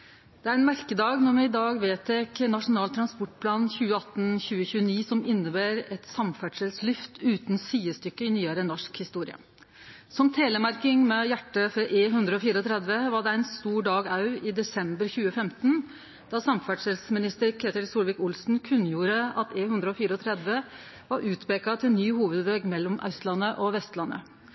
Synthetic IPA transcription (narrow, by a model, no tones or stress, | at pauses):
d̪̥ɛæɾɛnmæɾkəd̪ɑːɡnɔɾmɛɪd̪ɑːɡʋeːt̪ɛknɑʂʊnɑːlt̪ʰɾɑnspɔʈːpʰlɑːnçʉːəɑt̪ːnçʉːəçʉːəniːsɔmɪnːəbæːɾɛt̪sɑmfæɖʂəlslʏft̪ʉːt̪n̩syːəst̪ʏkːəɪnyːæɾənɔʂkhɪst̪uːɾɪ̰ə̰ | sɔmt̪ʰeːləmæɾkɪŋmɛjæʈːəfɔʔeːɦʉnd̪ɾəɔfiːɾəɔt̪ʰɾɛd̪ʋəʋɑɖɛæɪnst̪uːɖɑːɡɑʉɪd̪ɛsɛmbəɾçʉːəfɛmt̪n | d̪ɑsɑmfæɖʂəlsmɪnɪst̪əɾkʰeːt̪ɪlsuːlʋɪkʊlsn̩kʰʉnjuːɾəɑt̪ʰeːhʉnd̪ɾəɔfiːɾəɔt̪ʰɾɛd̪ʋə | ʋɑɾʔʉːt̪peːkɑt̪ʰɪlnyːhuːʋəd̪ʋeːɡmɛlːɔmʔɑ̰ʉst̪lɑnːəʔɔʋɛst̪lɑnːə̰